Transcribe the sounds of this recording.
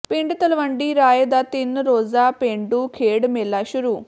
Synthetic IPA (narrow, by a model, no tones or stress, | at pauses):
pɪ̃ɳɖt̪əlʋəɳɖiːɾaːjed̪aːt̪ɪnɾoːzaːpẽːɳɖuːkʰeːɽmeːlaːʃʊɾuː